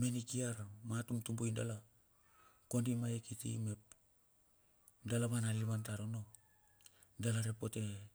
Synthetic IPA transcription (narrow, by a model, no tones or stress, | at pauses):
me̞nikiaɾmatumtumbojndala | ko̞ndimajekitḭme̞p | dalaβanalimantaɾono̞ | dalaɾe̞po̞te̞